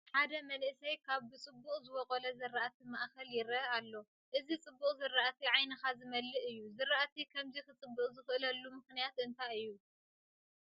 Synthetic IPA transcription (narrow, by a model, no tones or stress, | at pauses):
ħad̪ɐmɐlsɐjkʰaβbɨt͡sʼɨbːuχʼzɨwɔkʼolɐzɐraʔat̪ʰimaʔkɐljɪɾɐalːo̞ | ʔɨzit͡sʼɨbːuqʼzɨrːaʔat̪ʰiʕajnɐxazɨmɐlːɨʔɨjːuzɨɾaʔat̪ʰikʰɐmzixɨt͡sʼɨbːɨχʼzɨxʔɨlɐlːumɨxnijat̪ɨnt̪ʰajɨjːu